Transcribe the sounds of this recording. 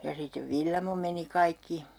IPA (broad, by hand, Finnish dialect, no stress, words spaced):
jɑ sitˑeʋ ʋilːɑmo meni kɑikːi